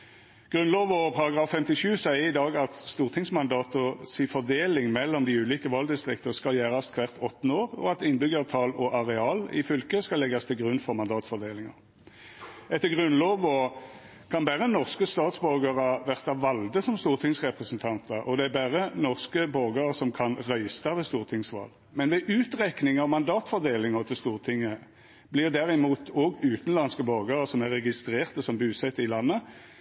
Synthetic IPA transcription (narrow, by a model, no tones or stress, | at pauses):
ɡ̥ʁʉnloːʋɔpʰɑʁɑɡʁɑːfːɛmt̪ɪʃʉːsæɪəɾɪd̪ɑːɡɑt̪st̪uːʁt̪ʰɪŋsmɑnd̪ɑːt̪ʊsifɔʁd̪eːlɪŋmɛlːɔmd̪iʉːliːkəʋɑld̪ɪst̪ʁɪk̚t̪əʁskɑljæːʁɑskʰʋæʁt̪ʰɔt̪ːn̩oːʁɔ̰ɑt̪ɪnbʏɡəʁt̪ʰɑːlɔʔɑʁɛɑːlɪ̰fʏlkəskɑlːɛɡɑst̪ʰɪlɡʁʉnfɔʁmɑnd̪ɑːt̪fɔʁd̪eːlɪŋɑ̰ʁ | ɛt̪ːəɡʁʉnloːʋɔ | kʰɑnbæːʁənɔʁskəst̪ɑːt̪sbœʁɡəʁəʋæʁt̪ɑʋɑld̪əsɔmst̪uːʁt̪ʰɪŋsʁɛpʁəsənt̪ʰɑnt̪əɾʔɔd̪ɛæbæːʁənɔʁskəbɔʁɡəʁəsɔmkʰɑnʁœʏst̪ɑʋɛst̪uːʁt̪ʰɪŋsʋɑ̰ːl | mɛnʋɛʔʉːt̪ʁɛknɪŋɑʋmɑnd̪ɑːt̪fɔʁd̪eːlɪŋəʁt̪ʰɪlst̪uːʁt̪ʰɪŋːə | blɪʁd̪æʁɪmuːt̪ʰɔːɡʉːt̪n̩lɑnskəbɔʁɡəʁəsɔmæʁɛɡɪst̪ʁeːʁt̪əsɔmbʉːsɛt̪ːɪlɑnːə